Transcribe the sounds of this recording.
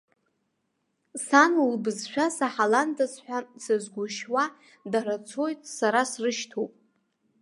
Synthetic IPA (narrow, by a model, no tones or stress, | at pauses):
sanulbɨzʃᶣasaħalandasħʷᶣasɨzɡʷʊʃwa | daɾat͡sʰo̞jtʼsaɾasrɨʃtʰopʼ